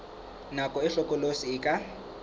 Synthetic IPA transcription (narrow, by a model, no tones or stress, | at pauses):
nakʼɔɪɬɔkʼɔlosiɪkʼa